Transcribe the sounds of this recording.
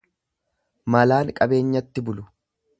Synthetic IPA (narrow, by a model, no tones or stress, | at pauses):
mɐlaːnkʼɐbe̞ːɲːɐt̪ːɪbʊlʊ